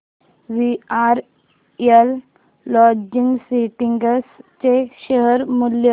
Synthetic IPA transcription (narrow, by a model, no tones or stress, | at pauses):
ʋiaɾ | elː | ɔd͡ʑiŋɡsiʈiŋɡəst͡ɕeɕəɦəɾmuljə